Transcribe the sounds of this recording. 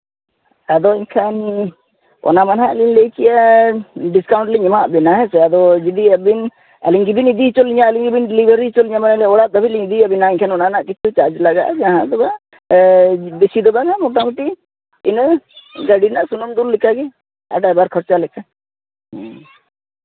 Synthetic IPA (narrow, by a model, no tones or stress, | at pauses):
ad̪ɔiɲkʰan | ɔ̰namanɦaʔlinlejkija | ɖiskawɳʈlɛɲɔmaʔbɛnaɦɛsɛad̪ɔd͡ʒid̪iabin | ɛ̰liŋɡibinid̪it͡ʃɔliɲaɛliŋɡibinɖɛlibʱəɾit͡ʃɔliɲamanɛlɛɔɽaʔd̪əbʱiliɲid̪iabinaiɲkʰanɔnanaʔkit͡ʃʰut͡ʃaɾd͡ʒlaɡa̰ʔd͡ʒaɦãd̪ɔba | besid̪ɔbanamɔʈ̬amuʈi | inɡaɖinaʔsunɔmd̪uɾlikaɡi | ɛ̰ɖabaɾkʰɔɾt͡ʃalɛka